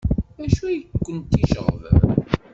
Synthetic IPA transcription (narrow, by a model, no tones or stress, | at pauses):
æʃujəkʷːənt̪ːiʃə̰ʁð